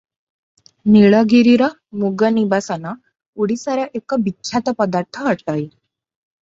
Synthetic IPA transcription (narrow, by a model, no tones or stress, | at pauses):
neɭaɡiɾiɾa | muɡənibasana | uɽisaɾaʔekabitːɕʰat̪apəd̪aɾt̪ʰəɦəɽʈai